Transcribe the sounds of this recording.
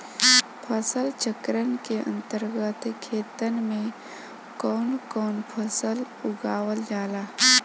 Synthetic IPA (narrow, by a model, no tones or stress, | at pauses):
pʰəsəlt͡ʃəkɾənkeʔə̰̃nt̪əɾɡət̪kʰeːt̪ənmẽ | kɔːnkɔːnpʰəsəl | ʊɡaːwəld͡ʒaːlaː